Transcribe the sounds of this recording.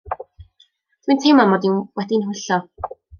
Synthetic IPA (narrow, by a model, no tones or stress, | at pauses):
t̪wintʰejmamɔdinwɛdinɦʊɬɔ